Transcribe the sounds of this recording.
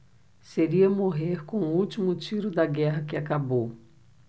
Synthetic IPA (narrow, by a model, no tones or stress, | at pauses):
seɾiɐmoɦeɾkõuut͡ʃimʊt͡ʃiɾʊd̪ɐɡɛɦɐkɪakabow